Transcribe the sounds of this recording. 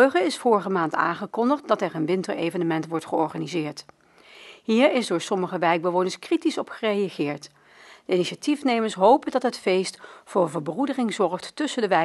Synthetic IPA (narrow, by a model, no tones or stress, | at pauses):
øχəɪsfʊːɹəχəmaːnta̰ːŋχəkɔndəχt̚dɑtɛɹənʋɪntəɹejvənəmɛntʋɔɹtχəɔɹχaːnizɪːɹt | ɦiːɹɪzdʊːɹsɔməχəʋɛjɡ̚bəʋownəɹskritisɔpχərejaχɪːɹt | d̥əiniʃatifnejməɹsɦowpəndɑtɦətfejstfʊːvəɹbrudərɪŋzɔɹχtːɵsəndəʋɛ